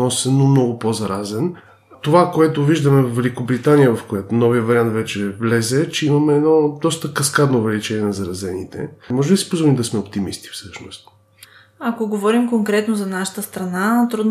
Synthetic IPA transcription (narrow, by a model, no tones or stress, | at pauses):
nɔsɛnomnɔɡʊpozɐɾazɛn | t̪ovakoɛt̪oviʒd̪ɐmɛvvɛlikobɾit̪anijəvɐfkojat̪onɔviəvɐɾiant̪vɛt͡ʃɛvlɛzɛt͡ʃɛimɐmɛɛd̪nɔd̪ɔst̪əkɐskad̪noːvɛlit͡ʃɛniɛnɐzɐɾɐzɛnḭt̪ɛ̰mɔʒɛbisi̥pozvɔlimd̪ɐsmɛop̚t̪imist̪i̥fsɤʃno̰st̪ | akoɡovɔɾimkoŋkɾɛt̪nozɐnaʃə̥t̪əst̪ɾɐnat̪ɾud̪